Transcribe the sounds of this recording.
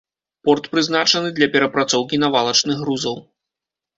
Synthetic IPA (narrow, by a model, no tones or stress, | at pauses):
pɔrt̪pɾɨzn̪at͡ʂɐnɨd̪lʲɐpʲɛɾɐpɾat̪sɔwkʲinavalˠɐt͡ʂnɨɣːɾuzɐw